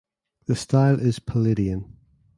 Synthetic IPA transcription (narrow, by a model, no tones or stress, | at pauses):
ðəstaɪlˠʔɪz̥pʰəlɪɾiə̃n